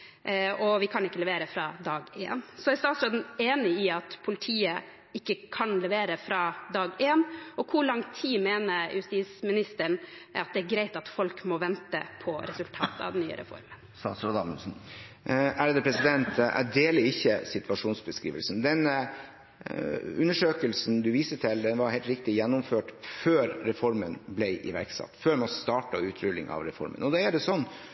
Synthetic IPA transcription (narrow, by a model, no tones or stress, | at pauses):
ɔʋɪkʰɑnɪkːəlɛʋeːɾəfɾɑd̪ɑːɡḛːnsɔæɾst̪ɑːt̪sɾoːd̪n̩eːnɪɪɑt̪pʰʊlɪt̪ʰiːə | ɪkːəkʰɑnlɛʋeːɾəfɾɑd̪ɑːɡeːnɔkʰʊɭɑŋt̪ʰiːmeːnəɾjʉst̪iːsmɪnɪst̪əɳɑt̪̚d̪ɛæɾɡɾæɪt̪ɑt̪fɔlkmɔʋɛnt̪ə̰pʰɔɾɛsʉlt̪ʰɑ̰ːt̪ɑ̰ʋd̪ɛnːyːə̰ɾʔɛ̰fɔ̰ɾmənsɑːsɾod̪ɑməlsn̩ | æɾəd̪əpʰɾɛsɪd̪ɛnt̪æ̰d̪eːləɾɪçːəsɪt̪ʉɑʂuːnsbəskɾiːʋəlsnd̪ɛn | ʉnːəʂøːkəlsn̩d̪ʉʋiːsət̪ʰɪld̪ɛnʋɑɾhɛɪlt̪ɾɪk̚t̪ɪjɛnːʊmføːʈføːɾɾɛfɔɾmənblɛɪʔɪ̰ʋæ̰ɾksɑ̰t̪ːføːɾmɔst̪ɑːʈɑʉːt̪ʰɾʏlːɪ̰ŋʔɑ̰ʋɾɛfɔ̰ɾmə̰nɔd̪ɛæɖɛsɔnː